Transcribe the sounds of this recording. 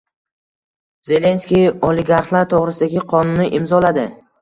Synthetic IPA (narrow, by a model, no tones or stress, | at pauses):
z̥e̞le̞nskʲijolɪɡaɾχlˠaɾt̪ʰoʁɾɪsɪd̪aɡʲɪqʰɒnʊnːɪʔɪmzɒlad̪ɪ